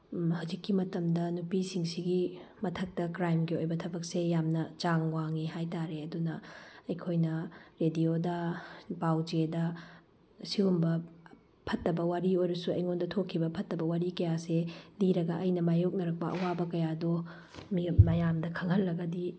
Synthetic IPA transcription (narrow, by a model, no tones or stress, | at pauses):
hawzikːimɐtɐmdɐnupisiŋsiɡimɐtʰɐk̚tɐkɾajmɡiojbɐtʰɐbɐk̚sejamnɐt͡ʃaŋwaŋiɦajtaɾeɐdunɐɐjkʰojnɐɾediodɐpawd͡ʒedɐ | siumbɐ | pʰɐtːɐbɐwaɾiojɾɐsuɐjŋondɐtʰokʰːibɐpʰɐtːɐbɐwaɾikɐjasediɾɐɡɐʔɐjnɐmajok̚nɐɾɐk̚pɐʔɐ̰wabɐkɐjado | mimɐjamdɐkʰɐŋhɐlːɐɡɐdi